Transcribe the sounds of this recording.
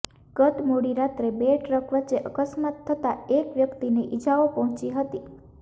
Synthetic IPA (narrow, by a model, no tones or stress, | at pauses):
ɡ̥ət̪moɽiɾat̪ɾebeʈɾəkʰʋət͡ʃeʔəkəsmat̪ʰːət̪aekʋjəkt̪ineʔid͡ʒaopɔɦɔ̃t͡ʃiɦət̪i